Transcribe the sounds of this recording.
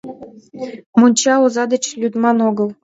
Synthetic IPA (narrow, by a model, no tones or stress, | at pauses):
munʲt͡ɕɑozɑd̪ə̆t͡ɕlʲyd̪mɑnoɡəlˠ